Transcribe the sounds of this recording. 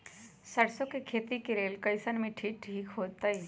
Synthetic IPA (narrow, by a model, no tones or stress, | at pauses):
sɐɽsokekʰeːt̪ikeɾeːlkəɪsənmẽʈʰiːk̚ʈʰiːkɦoːt̪ai